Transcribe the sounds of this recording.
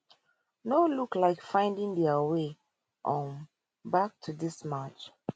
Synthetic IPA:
noluklaɪkfãɪ̃ndĩŋdiawe | ʔɔ̃n | bak̚tʰudismat͡ʃ

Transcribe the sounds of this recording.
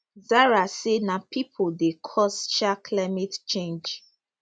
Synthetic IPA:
zaɹasenapʰipʰodekʰɔsʃakʰlaɪmɛtt͡ʃẽnd͡ʒ

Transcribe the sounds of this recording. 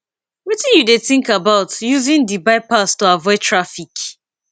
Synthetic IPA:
witĩnjudeθĩŋkabaʊtjuzĩndibaɪpastuavɔɪtʰɹafik

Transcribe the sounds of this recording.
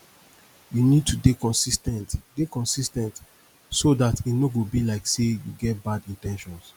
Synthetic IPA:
junid̚tʰudekɔ̃nsistɛ̃ntdekɔ̃nsistɛ̃nt | sodatitnoɡobilaɪksejuɡɛt̚badĩntɛ̃nʃɔ̃ns

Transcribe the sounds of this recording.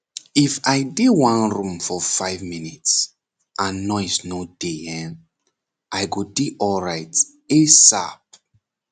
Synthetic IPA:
ifajdewãnɹũmfɔfaɪvminits | ʔãnːɔjsnodeɛ̃n | ʔajɡudiʔɔlɹaɪt | esa̰p̚

